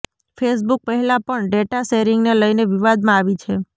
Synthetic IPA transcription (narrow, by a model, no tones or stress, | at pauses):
fʰesbuk̚pəɦɛlãpəɳɖeʈaʃeɾɪŋɡneləjneʋiʋad̪mãaʋit͡ʃʰe